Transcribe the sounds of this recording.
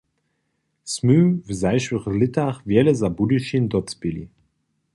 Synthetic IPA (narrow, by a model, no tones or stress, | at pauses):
smyːvzaɪʃvəʁlɪtʰaχvjɛləzabudiʃind̪ɔtt͡sb̥ɪlḭ